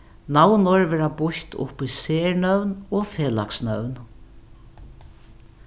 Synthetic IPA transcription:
nawnʊɹʋɛːɹabʊçt̪ʊ̰pːiseːɹnœwnɔfeːla̰ksnœwn

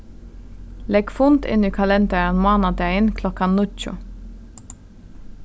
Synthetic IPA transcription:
lɛɡfʊnt̪ɪ̰niːkʰɑlɛnd̪æɹənmoːnɑd̪æɪənkʰlɔkɑnʊlc͡çʊ̰ː

